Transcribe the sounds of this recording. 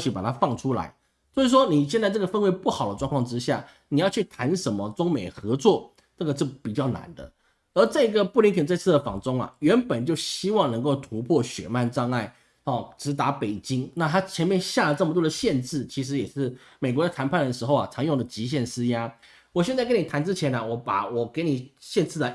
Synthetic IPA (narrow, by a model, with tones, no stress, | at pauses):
ɕy˧˥pa˨˩t̪ʰa˥fɑ˥˩ŋʈ͡ʂʰu˥la̰˧˥ɪ | swɔ˧˥i˨˩ʂ̬wɔ˥ni˨˩ɕjɛ˥˧nt͡sa˥˧ɪʈ͡ʂɤ˥˩ə˩fə˥nwe˧˥ɪpu˥˩xɑ˨˩ʊd̪ə˦ʈ͡ʂwŋkʰɑ˥˧ŋʈ͡ʂɻ̩˥ɕja̰˥˩ | ni˨˩jɑ˥˧ʊt͡ɕʰy˥˩t̪ʰa˧˥nʂə˧˥nmə˨t͡sʊ˥ŋme˨˩ɪxɤ˧˥t͡swɔ˥˩ | nə˥˩ɡə˩t͡ɕjo˥˩ʊpi˨˩t͡ɕjɑ˥˩ʊna̰˧˥nd̪ə̰˧ | ə˞˧˥t͡sa˥˩i˧˥ɡə˧pu˥˩li˧˥ŋkʰə˨˩nt͡sə˥˧ɪt͡s̩ʰ˥˩d̪ə˩fɑ̰˨˩ŋt͡sʊ˥ŋɐ̰˨ɥɛ˧˥npə˨˩nt͡ɕjo˥˩ʊɕi˥wɑ˥˩ŋnɤ˧˥ŋko˥˩ʊt̪ʰu˧˥pʰwɔ˥˩ɕɥɛ̰˨˩ma˥˧nʈ͡ʂɑ˥˧ŋa˥˩ɪ | ɔ˥˨ʈ͡ʂɻ̩˧˥t̪a˧˥pe˨˩ɪt͡ɕi˥ŋna˥˩t̪ʰa˥t͡ɕʰjɛ˧˥nmjɛ˥˧nɕja˥˧˩lə˩ʈ͡ʂə˥˩mə˩t̪wɔ˥d̪ə˨ɕjɛ˥˧nʈ͡ʂɻ̩˥˩t͡ɕʰi˧˥ʂ̬ɻ̩˧˥jɛ˨˩ʂɻ̩˥˩ | me˨˩ɪkwɔ˧˥d̪ə˧t̪ʰa˧˥npʰa˥˩nd̪ə˩ʂɻ̩˧˥xo˥˧ʊa˨˩t͡sʰɑ˧˥ŋjo˥˩ŋd̪ə˩t͡ɕi˧˥ɕ̬jɛ˥˩nsɹ̩˥ja˥ | wɔ˨˩ɕjɛ˥˧t͡sa˥˩kni˨˩t̪ʰa˧˥nʈ͡ʂɻ̩˥t͡ɕʰjɛ˧˥na˨wɔ˧˥pa̰˨˩wɔ˨˩ke˧˥ɪni˨˩ɕjɛ˥˧nt͡sʰɹ̩˥˩d̪ə˩